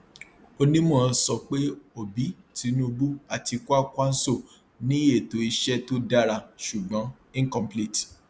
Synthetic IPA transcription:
o˧nĩ˦mõ˦˨˧sɔ˧k͡pe˦o˨bi˨˦ | ti˨˧˦nõ˦˧bu˦a˨ti˧ku˦a˦kʷa˦n̩˦so˦˨ | nĩ˦e˦˨to˨˦i˧ʃɛ˦to˦da˦ɾa˧ʃu˨ɡ͡bɔ̃˨˦ | ĩ˦kɔ̃˦mpli˦˨t

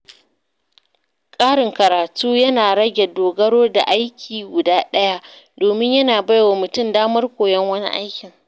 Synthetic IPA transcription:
kʼaː˦ɽɪ˨ŋkɐ˨ɾaː˨tuː˦jɐ˦naː˨ɽɐ˦ɡʲɛ˨doː˨ɡɐ˦ɽoː˦da̰˨ʔa˦jkʲʰiː˨ɡʷʊ˨daː˦ɗɐ˦ja˦ʔdoː˨mɪ˦ɲjɐ˦naː˨ba˦jwa˨mʊ˨tʊ˦˨mdaː˦mɐ˦rkʷoː˨jɛ˦ŋwɐ˦nḭ˦ʔa̰˦jkʲɪ˨ŋ

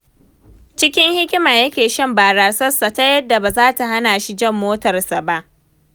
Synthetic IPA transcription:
t͡ʃɪ˦kʲɪ˦ŋhɪ˦kʲɪ˦ma˨jɐ˦kʲeː˨ʃɐ˦mbaː˨ɾaː˨sɐ˦sa˨ta˦jɐ˦dːa˨ba˨zaː˦ta˨ɦa˦naː˨ʃi˦d͡ʒɐ˦mːoː˦tɐ˨rsa˨ba˦ʔ

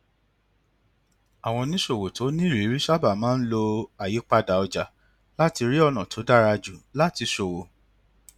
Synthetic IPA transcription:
a˨w̃ɔ̃˧nĩ˦ʃo˨wo˨to˨˦nĩ˦˨ɾi˨˦ɾi˦ʃa˦ba˦˨mãː˦n̩˦lo˧a˨ji˨˦k͡pa˧da˨ɔ˧d͡ʒa˨ | la˦ti˧ɾi˦ɔ˦˨nã˨tʰo˨˦da˦ɾa˧d͡ʒu˨la˦ti˧ʃo˨wo˨

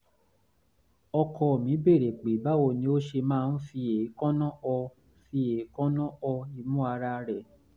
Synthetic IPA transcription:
ɔ˧kʰɔ˧˨mĩ˨˦be˦˨ɾe˨k͡pe˨˦ba˦wo˧˨nĩ˧˦o˦ʃe˧mãː˦˧n̩˦fi˧e˨˦kɔ̃˦nɔ̃˦ɔ˧ | fi˧e˨˦kɔ̃˦nɔ̃˦ʔɔ˧i˧mũ˦a˧ɾa˧ɾɛ˨

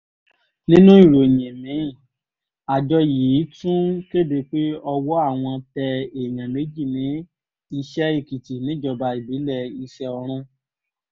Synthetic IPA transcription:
nĩ˦nũ˦i˦˨ɾo˨jĩ˨mĩ˨˦˨ | a˨d͡ʒɔ˧ji˨˦tũ˦ke˦˨de˧k͡pe˦ɔ˧wɔ˦a˦˨w̃ɔ̃˧tɛ˧e˨j̃ã˨me˨˦d͡ʒi˦˨nĩ˨˦ | i˧ʃɛ˦i˦˨ki˨ti˨nĩ˨˦d͡ʒɔ˦˨ba˧i˨bi˨˦lɛ˦˧˨i˧ʃɛ˧ɔ˧ɾ̃ũ˦

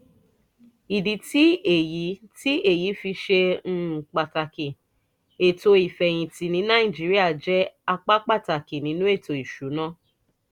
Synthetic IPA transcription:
i˨di˨ti˨˦e˨ji˨˦ti˦e˦˨ji˨˦fi˧ʃẽ˧˦˨k͡pa˨ta˨ke˨ | e˨to˧i˨fɛ˨j̃ĩ˨ti˨nĩ˨˦nã˦ĩ˦˨d͡ʒi˨˦ɾi˦a˦˨d͡ʒɛ˦a˧k͡pa˦k͡pa˦˨ta˨ki˨nĩ˨˦nũ˦e˦˨to˨i˨ʃu˨˦nã˦

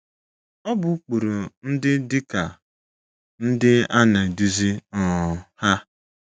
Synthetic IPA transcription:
ɔ˦bʊ˨˦k͡pu˨ɾu˨n̩˦dɪ˦dɪ˦ka˨ | n̩˦dɪ˦a˦na˨du˦zi˦ɔ˨ha˦

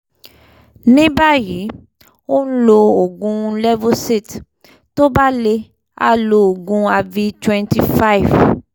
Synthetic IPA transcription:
nĩ˦ba˦˨ji˨˦ | o˦n̩˦lo˧o˨ɡũ˧lɛ˦vo˦se˦˨t | to˦ba˦le˧ | a̰˦˨lo˧o˨ɡũ˧a˧vi˧twɛ̃˧nti˨fa˦i˨v

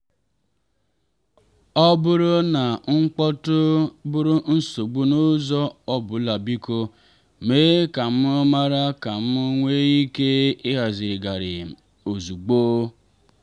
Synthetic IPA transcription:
ɔ˦bʊ˦ɾʊ˦na˨ŋ͡m̩˦k͡pɔ˦tʊ˦bʊ˦ɾʊ˦n̩˦so˨ɡ͡bu˦nʊ˦zɔ˦ɔ˦bʊ˨˦la˨bi˦ko˦ | meː˦ka˨m̩˦ʊ˦ma˦ɾa˦ka˨m̩˦ʊ˦ŋʷe˦i˦ke˦ɪ˦ɣa˨zɪ˨ɾɪ˨ɡa˨ɾɪ̰˨ | o˨zu˨ɡ͡boː˦

